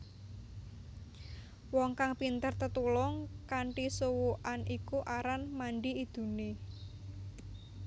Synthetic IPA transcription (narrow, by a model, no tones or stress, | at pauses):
wɔŋkaŋpint̪ərt̪ət̪ulɔŋkaɳʈisuwuʔanikuʔaɾanmaɳɖiid̪̥ṳne